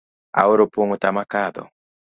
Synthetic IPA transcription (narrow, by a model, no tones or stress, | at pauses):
a̰oɾopoŋotamakad̪ɔ̰